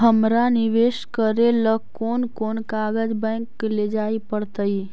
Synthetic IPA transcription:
ɦəmɾanɪʋeːʃkəɾelə | oːnkoːnkaːɡəd͡ʒbɛ̃ːŋkːled͡ʒaːipəɽt̪əi

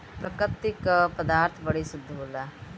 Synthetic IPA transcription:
pɾəkət̪ːɪkpəd̪aːɾt̪ʰbəɽiːsʊd̪ʱːboːlaː

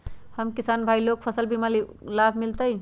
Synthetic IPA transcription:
həmkisanbʱailok̚pʰəsəlbimalilabʱmilt̪əj

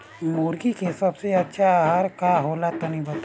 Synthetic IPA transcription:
muːɾɡikesɐbseɐtːʃʰaɦaɾkaɦoːlat̪onɐɦĩbɐt̪a

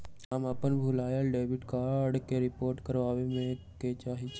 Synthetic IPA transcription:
ɦəmɐpənbʱʊlaːjəlɖeːʋɪʈkaːɾɖkeɾɪpoːɾʈkəɾʋaːʋemẽket͡ʃaːɦit͡ʃ

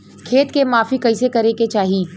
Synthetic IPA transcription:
kʰeːt̪kemaːfikɐisekɐɾeket͡ʃaːɦiː

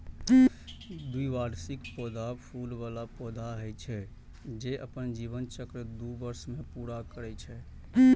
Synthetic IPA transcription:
d̪uiʋaɾsikpɔd̪ʱapʰulʋalapɔd̪ʱaɦəjt͡ʃʰɛ | d͡ʒeʔə̰pənd͡ʒiβənt͡ʃəkɾəd̪ubəɾsmepuɾakəɾɛt͡ʃʰɛ

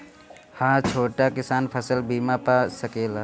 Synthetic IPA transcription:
hãːt͡ʃʰoːʈakɪsaːnpʰəsəlbiːmapaːsɐkeːlaː

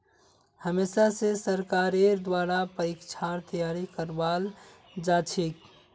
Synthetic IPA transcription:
həmesasesəɾkaɾeɾd̪waːɾapəɾikt͡ʃʰaɾt̪əjaɾikəɾbal | d͡ʒat͡ʃʰik

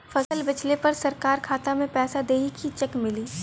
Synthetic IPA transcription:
fʰɐsəlbɐt͡ʃlepɐɾsɐɾkaːɾkʰaːt̪amẽpɛːsad̪eːɦikʰit͡ʃɐkmɪliː

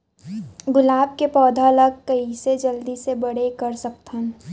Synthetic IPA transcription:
ɡʊlaːb̚kepɔːd̪ʱaləɡ̚kəised͡ʒəld̪isebəɽ̤ekəɾsək̚t̪ən

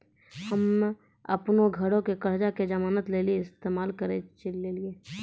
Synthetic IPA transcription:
həm | ə̰pnoɡʱəɽõkekəɾd͡ʒaked͡ʒəmaːnət̪leːlieɪst̪eːmaːlkəɾet͡ʃəleːlieː

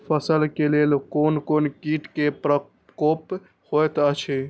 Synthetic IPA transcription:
pʰəsəlkelelkoːnkoːnkiːʈkepɾə | koːp | hojt̪ət͡ʃʰe

